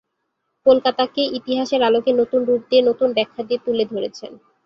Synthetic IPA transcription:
kolkat̪akeʔit̪iɦaʃeɾalokenot̪unɾup̚d̪ienot̪unbɛkʰːad̪iet̪uled̪ʱoɾet͡ɕʰen

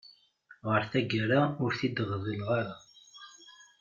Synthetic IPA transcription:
ʁəɾθæɡəɾaʊɾθid̪əʁðˤilʁaɾa

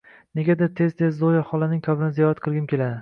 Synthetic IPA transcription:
neɡʲad̪at̪ʰe̞zt̪ʰe̞zd̪ojahɒlanɪŋkʲʰabɪnɪzijɒɾat̪̚qʰɨlˠɡʲɪmkʲʰe̞lad̪ɪ

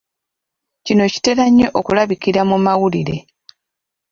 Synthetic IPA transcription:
cino̞ci̥te̞ɾaɲːo̞ʔokulaβikiɾamumawuliɾe̞̰

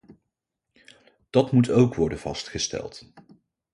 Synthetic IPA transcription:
d̥ɑtmutowkʋɔɹdənv̥ɑstχəstɛ̰lˠt

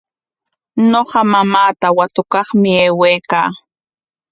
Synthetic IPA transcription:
ɲoɢɑmamaːt̪awat̪ʊkɑχmɪeːwejkaː

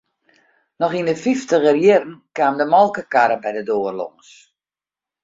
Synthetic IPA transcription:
nɔχindəfiftəɣərjɪrn̩kaːmdəmɔlˠkəkaɾəbɛjdədoːərlo̰ŋs

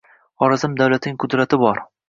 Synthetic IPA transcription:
ɒɾazɪmd̪awlat̪nɪŋqʰʊd̪ɾat̪ʰɪbɒɾ

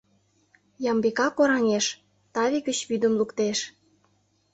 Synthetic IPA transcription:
jɑmbekɑkoɾɑnʲeʃ | t̪ɑβʲikə̆t͡ɕβyd̪ə̆mlukt̪eʃ

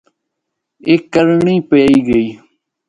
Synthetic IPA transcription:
ekːəɾɳĩːpeːiːɡəiː

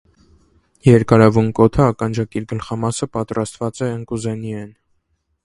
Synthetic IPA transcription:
jɛɾkɑɾɑvunkɔt̪ʰəɑkɑnd͡ʒɑkiɾɡəlχɑmɑsəpɑt̪rɑst̪vɑt͡sɛəŋkuzɛniɛn

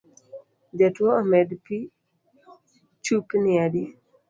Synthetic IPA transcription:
d͡ʒatwoomɛdpi | t͡ʃupniadi

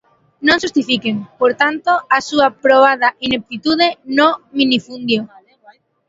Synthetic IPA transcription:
nõŋʃust̪ifikeŋpoɾt̪ant̪oasuapɾoβ̞aðɐʔinek̚t̪it̪uð̞enominifund̪jo

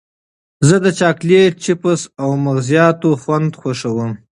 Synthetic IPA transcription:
zəd̪ət͡ʃɑklet͡ʃɪpəsawmaɣzijɑt̪oxwand̪xwaʂawəm

